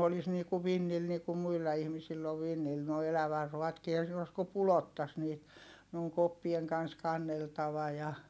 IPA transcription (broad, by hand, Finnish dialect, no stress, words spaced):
olis niː ku ʋinːil niː ku muilːɑ ihmisilː oʋ ʋinːil noi elæʋærːuʋ̆ɑtkiː ehæn̞ siːn os ku pulotːɑs niːt ne oŋ kopːieŋ kɑn̞s kɑnːeltɑʋɑ jɑ